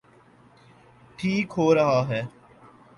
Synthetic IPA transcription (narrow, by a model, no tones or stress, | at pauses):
ʈʰiːkɦoːɾɐɦaːɦɛː